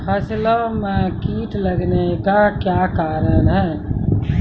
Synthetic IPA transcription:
pʰəsiləmekiʈləɡnekakjakaɾənɦɛ̃

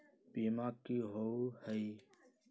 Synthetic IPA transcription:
piːmaːkːiːɦohəiː

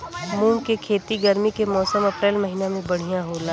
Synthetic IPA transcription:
mũːkekʰeːt̪iɡɐɾmikemɔːsəmɐpɾeːlmɐɦiːnamẽbɐɽ̤ijãɦoːlaː

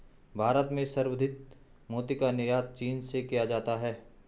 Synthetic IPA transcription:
bʱaːɾət̪mẽsɐɾwəd̪ʱɪt̪̚moːt̪ikanɪɾjaːt̪̚t͡ʃiːnsekijad͡ʒaːt̪aɦɛː

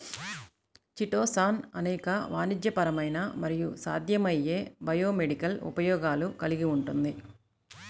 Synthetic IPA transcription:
t͡ʃiʈoːsaːnɐnɛːkɐʋa̰ːnid͡ʒ̪jɐpɐɾɐmɐjnɐmɐɾijusa̰ːd̪ʱjɐmɐjːeːbɐjoːmeɖikɐlṵpɐjɔːɡaːlukɐliɡiuɳʈund̪i

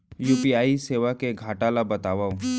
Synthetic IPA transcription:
juːpiaːiseːʋakeɡʱaːʈaːlabɐt̪aːʋaːũ

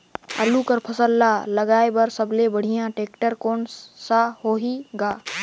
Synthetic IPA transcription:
ə̰lukəɾpʰəsəlːaləɡaːebəɾsəblebəɽ̤ijãʈeːkʈəɾkoːnsahoːɦiɡaː

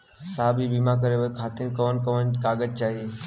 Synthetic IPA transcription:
saːbʱibimak̬əɾeʋəkʰaːt̪inkəʋənkəʋənkaːɡəd͡ʒt͡ʃaːɦie

